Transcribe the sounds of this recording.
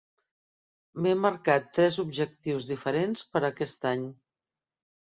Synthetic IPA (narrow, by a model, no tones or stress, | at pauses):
meməɾkat̪ːɾɛzubʒək̚t̪iwzðifəɾenspəɾəkɛst̪aɲ